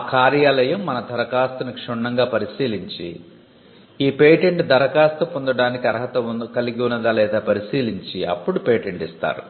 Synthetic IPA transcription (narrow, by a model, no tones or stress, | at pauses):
kaːɾjaːlɐjɐmːɐnɐd̪ʱɐɾɐkaːst̪ɐnukʂɔɳːɐŋɡaːpɐɾisiːliɲt͡ʃḭ | iːpeːʈeɳʈd̪ʱɐɾɐkaːst̪ɐpond̪ɐɽaːnikiɐɾɐɦɐt̪ɐkɐliɡiunːɐd̪aːlɛːd̪aːpɐɾisiːliɲt͡ʃiɐ̰pːuɽupeːʈeɳʈist̪a̰ːɾṵ